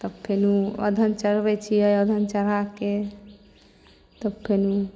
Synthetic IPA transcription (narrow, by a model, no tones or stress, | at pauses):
t̪əbpʰenuə̰d̪ʱənt͡ʃəɾbɛt͡ʃʰiəjəd̪ʱənt͡ʃəɾake | t̪əbpʰenu